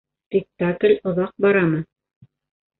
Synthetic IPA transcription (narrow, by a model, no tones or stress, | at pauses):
spʲɪk̚t̪aklʲŏðɑq̚bɑɾɑmɤ